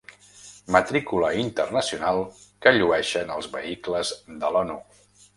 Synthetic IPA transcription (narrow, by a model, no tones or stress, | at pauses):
mət̪ɾikuləint̪ərnəsiunalˠkəʎuɛʃənəlˠzβəikləzðəlɔnu